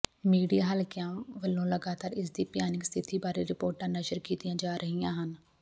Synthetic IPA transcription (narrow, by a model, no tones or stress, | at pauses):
miːɖijaːɦəlkɪjãːʋəlːõːləɡaːt̪aːɾɪsd̪iːpjaːnɪkst̪ʰɪt̪iːbaːɾeːɾɪpoːɾʈãːnəʃəɾkiːt̪ijãːd͡ʒaːɾʔəɦiːãːɦən